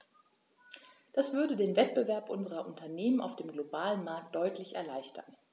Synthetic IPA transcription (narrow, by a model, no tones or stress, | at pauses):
d̥asv̥ʏɐdədeːnvɛt̚b̥əvɛɐpʔʊnzəʁɐʔʊntʰɐneːmənaʊfd̥eːmɡlobaːlənmaɐk̚t̚d̥ɔʏtʰlɪçɛ̰ɐlaɪçtʰɐn